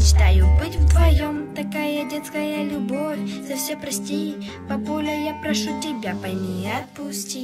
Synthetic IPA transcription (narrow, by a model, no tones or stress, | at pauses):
t͡ɕɪ̥t̪ajʊbɨtʲvt̪vɐjomt̪akajɐdʲɛt̪skɐjɐlʲʊbofʲzɐfsʲɛpɾɐsʲtʲej | pɐbɔlʲɐjapɾɐʂutʲɪbʲapɐjmʲiɐt̪̚pusʲtʲi